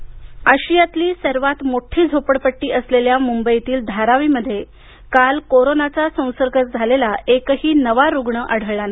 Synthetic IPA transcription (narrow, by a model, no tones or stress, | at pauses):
əɕijat̪liːsəɾʋat̪moʈʰiːd͡zʱopəɽpəʈːiːʔəsleljamumbəjt̪iːld̪ʱaɾaʋiːməd̪ʱːje | kalkoɾonat͡sasə̃w̃səɾɡʱət̪̚d͡zʱalelaekəɦiːnəʋaɾuɡɳəʔəɽ̤əʋɭan